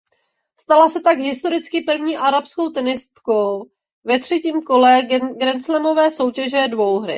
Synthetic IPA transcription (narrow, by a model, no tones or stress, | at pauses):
st̪alasɛt̪aɡɦɪst̪o̞ɾɪt͡skɪpr̩vɲiːʔaɾapsko̞wt̪ɛnɪst̪kow | vɛt̪r̥ɛciːmko̞lɛɡɾɛnt͡slɛmo̞vɛːso̞wcɛʒɛdvo̞wɦɾɪ̰